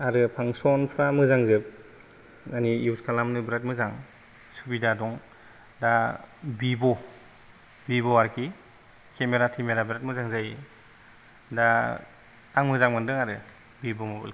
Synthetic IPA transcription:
aɾɯpʰaŋsɔnpʰɾamɯzaŋzɯp̚ | aniiwskʰalamnɯbɾat̚mɯzaŋ | subidadɔŋ | dabibɔ | bibɔaɾki | kemeɾatʰimeɾabɾat̚mɯzaŋzaj | da | aŋmɯzaŋmɯndɯŋaɾɯ̰ | bibɔmɯbɔ̰lk

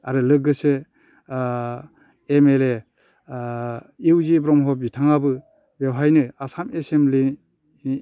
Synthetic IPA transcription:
aɾɯlɯk̚ɡɯse | emele | iwzibɾɔmɦɔp̚itʰaŋabɯ | bewɦajnɯasamesemli

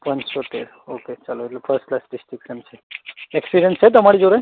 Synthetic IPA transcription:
ʋənsoʈ̪eɾ | oket͡ʃəloeʈlepʰəɾsʈklasɖɪsʈɾikʃənt͡ʃʰeɛksiɖənt͡ʃʰet̪̬əmaɽid͡ʒoɾe

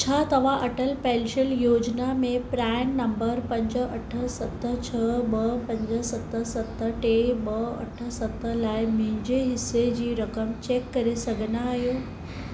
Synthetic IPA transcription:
t͡ɕʰat̪ɐʋ̤aʔɐʈəlpɛːlʃəljoːd͡ʑnamẽpɾaːɪnnɐ̃mbəɾpɐ̃ɲd͡ʑəɐʈʰə̆sɐt̪ət͡ɕʰɐəbɐpɐ̃ɲd͡ʑə̆sɐt̪əsɐt̪əʈebɐɐ̰ʈʰə̆sɐt̪əlaːɪmʊ̃ɦɪ̃ɲd͡ʑeɦɪsːed͡ʑiːɾɐkəmt͡ɕeːkːɐɾesɐɡʱənaɦijoː

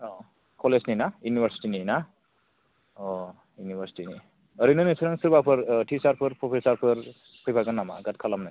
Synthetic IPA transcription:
ɔ | kɔlezninajunibʱəɾsi̥ʈinina | ɔ | junibʱəɾsi̥tini | ʌɾinɯnisʰɯɾaŋsuɾbapʰɯɾʈʰisaɾpʰɯɾpʰopʰesaɾpʰɯɾ | pʰɯjpʰakanːama̰ɡat̚kʰalamna

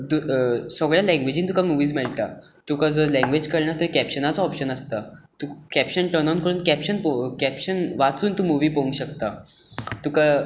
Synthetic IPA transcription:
d̪usəɡɭjalɛ̃ŋɡʋed͡ʑiːnt̪ukamuʋiːd͡zmɛɭʈ̪a | t̪ukad͡zəɾlɛ̃ŋɡʋed͡ʑkəɾɳat̪əɾkæpɕənat͡saɔpɕənəst̪a | t̪ukæpɕənʈəɾnankəɾuːnkæpɕənpokæpɕənʋat͡suːnt̪uːmuʋiːpoũŋɡɕəkt̪a | t̪uka

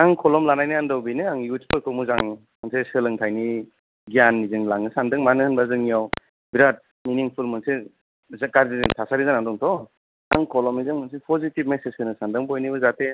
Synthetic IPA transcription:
aŋkʰɔlɔmlanajnɯandɔwbinɯaŋiuspɔjkʰɯmuzaŋ | mɯnsesɯlɯŋtʰajni | ɡijanːizɯŋlaŋɯsandɯŋmanɯhɯnbazɯŋijaw | biɾat̚ | miniŋpʰulmɯnse | zkaɾzidtʰasaɾizanandɔŋtʰɔ | aŋkʰɔlɔmizɯŋmɯnsipʰɔzitib̚mesezkʰɯnɯsandɯŋpɔjnibɯzate

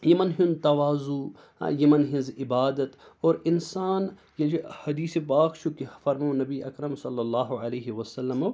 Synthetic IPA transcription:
jimɐnɦɪnt̪ɐʋaːzṵ | jɐmɐnɦɪ̃nzɪbaːd̪ɐt̪oːɾɪnsaːn | jehɐd̪iːsepaːkʃukifɐɾmõːnɐbiʔɐkɾɐmsɐlːɐlːaːɦuɐleːɦiwɐsɐlːɐmɐ

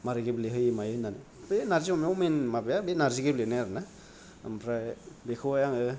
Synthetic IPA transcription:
maɾɯɡebleɦɯjmajɯnanɯ | benaɾziɔmeɔmenmabejabenaɾziɡeblenajaɾna̰ | mpʰɾabekʰɯwajaŋɯ

